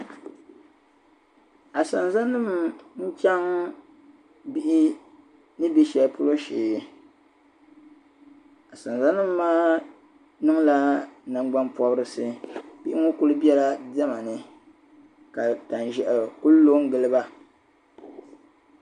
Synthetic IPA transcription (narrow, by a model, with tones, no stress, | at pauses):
a˨sa˨nza˦nɨ˦mn̩˦t͡ʃa˦ŋ | bi˦ʔɪ˦ | nɨ˦bi˦ʃɛ˨lpʊ˦lo˦ʃeː˨˦ | a˨sa˨nza˦nɨ˦mː˦aː˦ | nɨ˦ŋla˦na˨ŋ͡mɡ͡ba˦npɔ˦bɾɨ˦sɨ˦bi˦ʔɪ˦ŋo˦ku˦lɨ˦bɛ˦la˦dɛ˦ma˨nɨ˨ | ka˨ta˨n˨ʒɛ˨ʔku˦llo˦ŋ˦ɡɨ˨lɨ˦ba˦